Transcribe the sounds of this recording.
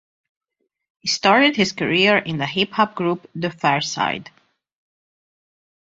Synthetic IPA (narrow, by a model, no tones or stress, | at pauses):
histɑɹɾɨd̚hɪz̥kəɹiɹɪ̃nðəɦɪphɑp̚ɡɹupd̪əfɛɹsa̰ɪd